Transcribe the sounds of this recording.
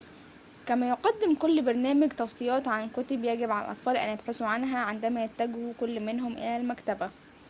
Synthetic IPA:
kæmæjoqɑd̪ːɪmkolːbɑɾˤnæːmæɡt̪ɑwsˤɨjɑːt̪ʕankʊt̪objæɡebʕalæ̰lʔɑ̰t̪ˤfɑːlʔæ̰njebħesuʕanɦæʕend̪æmæjæt̪ːæɡhukolːmenɦomʔḛlælmækt̪æbæ

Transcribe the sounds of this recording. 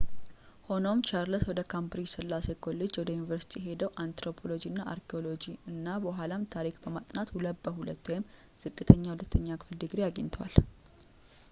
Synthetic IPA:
ho̞no̞mt͡ʃʰaɾləswɔd̪əkʰambɾid͡ʒsɨlːase̞ɡo̞lːed͡ʒwɔd̪əjunivəɾsi̥t̪ʰiɦe̞d̪əwʔant̪ɾo̞pʰo̞lo̞d͡ʒiɨnːaʔa̰ɾkʰeo̞lo̞d͡ʒiɨnːabəɦalamt̪ʰaɾikbəmat̪ʼnat̪wuləbːəhulət̪ːwɔjɪm | z̥ɨkʼːɨt̪ʰəɲːahulət̪ʰːəɲːakʰɨ̥fɨld̪ɨɡɾejaɡə̰ɲt̪ʰwa̰l

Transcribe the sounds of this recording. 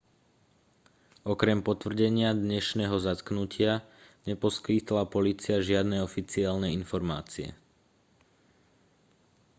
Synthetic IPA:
ɔkɾɛmpɔt̪ʋr̩ɟɛɲɪad̪ɲɛʃnɛɦɔzat̪knucɪaɲɛpɔskit̪lapɔliːt͡siaʒɪad̪nɛɔfit͡siaːlnɛinfɔɾma̰ːt͡siɛ̰

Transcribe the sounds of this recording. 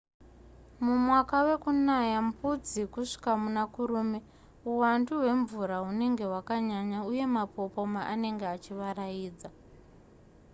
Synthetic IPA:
mumwakawe̞kunajampud͡zikuʂi̥kamunakuɾuːme | uwanduɦwe̞ɱvuɾaɦune̞ŋɡe̞ɦwakaɲaɲauje̞mapo̞po̞maʔane̞ŋɡeat͡ʃiʋaɾajiːd͡za

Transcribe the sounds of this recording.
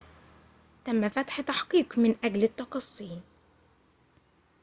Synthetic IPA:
θamːafat̪ħt̪aħqiːqmɪnʔaɡlɪt̪ːɑqɑsˤːiː

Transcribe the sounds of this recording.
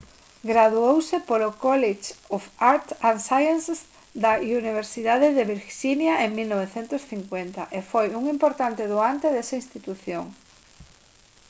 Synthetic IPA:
ɡɾaðuowsɪpolʊkɔlet͡ʃofaɾt̪ãnsajanss | d̪auniβeɾsiðaðeðeβiɾʃinjaʔeŋmilnoβ̞eθent̪ʊsθiŋkwent̪ɐʔefojuŋimpoɾt̪ant̪ɪðoant̪eðesaĩnst̪it̪uθjoŋ

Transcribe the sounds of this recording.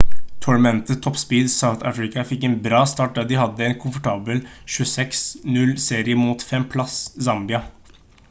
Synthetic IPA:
t̪ʰɔɳmɛnt̪ət̪ʰɔpspiːd̪saʊθæfɹɪkɑfɪkːɛːnbɾɑːst̪ɑːʈ̚dɑd̪ɪhɑd̪ːəɛnkʰʊmfɔʈʰɑːbəlʃʉəsɛksnʉlseːɾɪəmuːt̪fɛmpʰlɑssɑmbɪɑ

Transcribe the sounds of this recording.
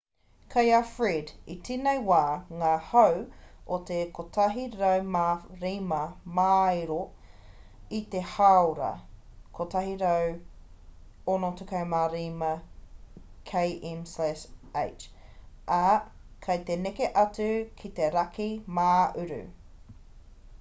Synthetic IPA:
kʰɐjafɹiditiːnejwaːŋaːhɐwot̪ekʰot̪ʰɐɦiɾɐwmaɾimɐmaːjɾo | it̪ehawɾɐ̰kʰot̪ɐɦiɾɐw | onotukɐwmaɾiːmɐ | kʰejʔɛmslɛʃḛjt͡ʃʔɐ | kʰɐjt̪enekeʔɐt͡sʉkʰit̪e̞ɾɐkʰimaːʉɾʉ̰

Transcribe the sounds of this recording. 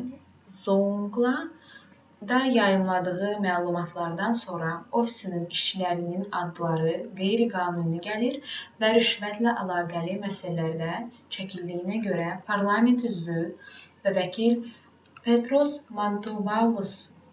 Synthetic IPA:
zouŋɡlˠɑ | d̪ɑjɑjɯmlˠɑd̪ɯɣɯmælˠumɑt̪ʰlˠɑɾd̪ɑnso̞nɾɑo̞fi̥sɯnɯniʃt͡ʃilæɾininɑd̪ːɯlˠɑɾɯɡejɾiɡɑːnunnɯɟæliɾvæɾyʃvæt̪ʰlæʔɑlˠɑːɡælʲimæsælæɾd̪æt͡ʃʰæcʰilʲd̪ijːinæɟø̞ɾæpʰɑɾlˠɑme̞nt̪ʰyzvylvævæcʰil | pʰet̪ɾo̞smant̪obalˠos

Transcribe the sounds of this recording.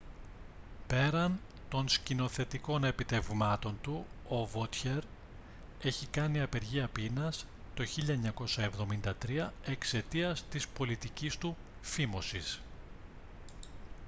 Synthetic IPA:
pe̞ɾɐn | t̪o̞nscino̞θe̞t̪iko̞ne̞pit̪e̞vmɐt̪o̞nt̪uovot̪çe̞ɾ | e̞çikɐniɐpe̞ɾʝiɐpinɐs | t̪o̞çiʎɐeɲɐko̞sɐe̞vðo̞mind̪ɐt̪ɾiɐe̞kse̞t̪iɐst̪ispo̞lit̪icist̪u | fimo̞sis

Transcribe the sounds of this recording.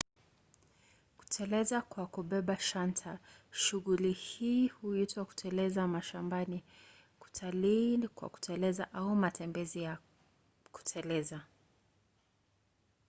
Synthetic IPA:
ku̥tʰɛlɛzakwakuɓɛɓaʃantʰaʃuɣulihiːhuitwaku̥tʰɛlɛzamaʃambani | ku̥tʰaliːnikwa̰ku̥tʰɛlɛzaʔaumatʰɛmbɛzija | ku̥tʰɛlɛza

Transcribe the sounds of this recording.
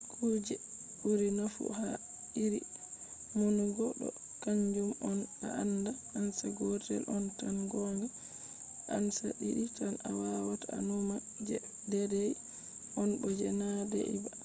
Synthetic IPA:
kʰud͡ʒɛ | buɾinafṵha | ɗiɾi | monuɡɔɗɔ̰ | kaɲd͡ʒumɔna̰anda | ansaɡɔtɛ̰lʔɔntanɡɔŋɡa | ʔansa̰ɗiɗitanawawataa̰numa | d͡ʒɛ | dɛdɛj | ʔɔnbɔd͡ʒɛnadɛ̰ʔḭba

